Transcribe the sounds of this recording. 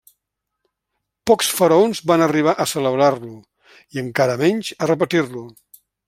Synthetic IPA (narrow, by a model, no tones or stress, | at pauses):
pɔksfəɾəonzβanəriβ̞aʔəsələβɾarlu | iəŋkaɾəmɛɲʲt͡ʃərəp̬ət̪irlu